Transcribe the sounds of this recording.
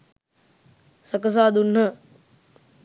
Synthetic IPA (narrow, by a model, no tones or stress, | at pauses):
səkəs̬aːd̪unɦə